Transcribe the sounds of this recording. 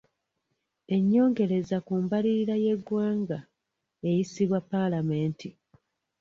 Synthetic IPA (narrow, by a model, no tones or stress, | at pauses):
e̞ɲːo̞ːŋɡe̞ɾe̞zakuːmbaliɾaje̞ɡwaːŋɡa | e̞jisiβwapːalame̞ːnti